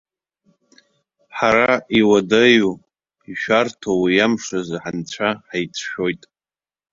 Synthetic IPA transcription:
ħaɾaiwadaju | iʃᶣartʰowijamʂazħant͡ɕʷʰaħajt͡sʰʃᶣo̞jtʼ

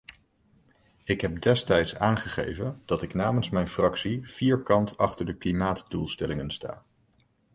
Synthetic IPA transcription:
ɪkɦɛp̚dɛstɛjtsaːnχəχḛjvənd̥ɑtɪknaːmənsmɛjnfrɑksiv̥iːɹkɑntɑχtəɹdəklimaːtdulˠstɛlɪŋənsta̰ː

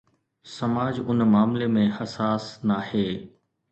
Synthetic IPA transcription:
sɐmaːd͡ʑʊnmaːmlemẽhɐsaːsnaheː

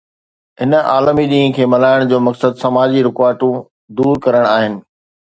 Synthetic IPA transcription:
ɦɪnəa̰ːlmiɗĩːɦə̃kʰeːmɐlaːɪɽ̃d͡ʑoːmɐksəd̪sɐmaːd͡ʑiɾɪkaːɾʈũ | d̪uːɾkɐɾəɽ̃aːɦɪnɪ̆

